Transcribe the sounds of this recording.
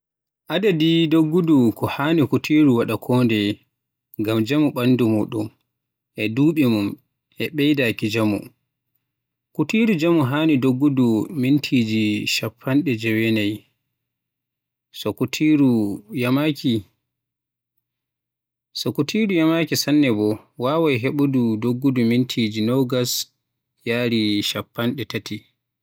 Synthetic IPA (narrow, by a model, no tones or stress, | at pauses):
ʔadadidoɡːudukʰɔhaːnikutʰiːɾuwaɗakʰɔːndɛ | ɡamd͡ʒamuɓandumuɗɔm | ʔɛduːɓɛmum | ʔɛɓɛjdakid͡ʒamṵ | kutiːɾud͡ʒamuɦanidoɡːudumintʰiːd͡ʒiʃapʰːanɗɛd͡ʒɛwɛnaj | sɔkutʰiɾujamakʰi | sɔkutʰiːɾujamakisanːɛbɔ | waːwajɦɛɓududoɡːudumintʰiːd͡ʒinɔɡas | jaːɾiʃapːanɗɛtati